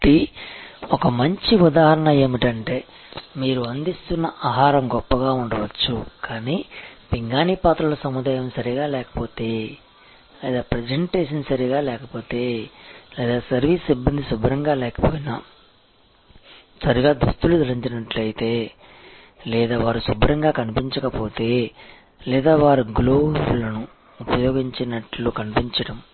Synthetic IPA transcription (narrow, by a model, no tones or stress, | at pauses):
ʈi | ɔkɐmɐɲt͡ʃiud̪aːɦɐɾɐɳɐeːmiʈɐɳʈe̞ː | miːɾuɐnd̪ist̪unːɐʔaːɦaːɾɐmɡɔpːɐɡaːuɳɖɐʋɐt͡ʃːukaːniːpiŋɡaːniːpaːt̪ɾɐlɐsɐmud̪aːjɐmsɐɾiɡaːlɛːkɐ̥po̞ːt̪e̞ː | lɛːd̪aːpɾed͡ʒeɳʈeːʂɐnsɐɾiɡaːlɛːkɐpo̞ːt̪eːlɛːd̪aːsɐɾʋiːsibːɐnd̪isubɾɐŋɡaːlɛːkɐ̥poːjinɐ | sɐɾiɡaːd̪ust̪ulud͡ʒ̪ɐɾiɲt͡ʃinɐʈluɐjit̪e̞ː | lɛːd̪aːʋaːɾusubɾɐŋɡaːkɐnipiɲt͡ʃɐkɐpo̞ːt̪e̞ː | lɛːd̪aːʋaːɾuɡloːulɐnuː | pɐjɔːɡiɲt͡ʃɐnɐʈloːkɐnipiɲt͡ʃɐɽɐm